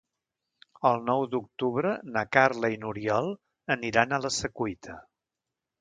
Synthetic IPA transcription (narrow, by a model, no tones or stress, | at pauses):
əlˠnɔwd̪uk̚t̪uβɾənakarləinuɾiɔlˠ | əniɾanələsəkuit̪ʰə